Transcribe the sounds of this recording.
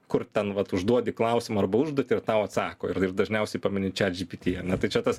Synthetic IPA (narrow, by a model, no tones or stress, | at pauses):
kʊrt̪ʲɛnʋɐt̪ʊʒd̪uɔd̪ʲɪklˠɐʊsʲɪmɐɐrbɐʊʒd̪uɔt̪ʲɪɪrt̪ɐʊɐt̪sɑːko̰ːɪrɪrd̪ɐʒʲnʲɛʊsʲɛɪpɐmʲɪnʲɪt͡ʃʲɛd͡ʒʲipʲit̪ʲiːɐnʲɛt̪ɐɪt͡ʃʲɛt̪ɐs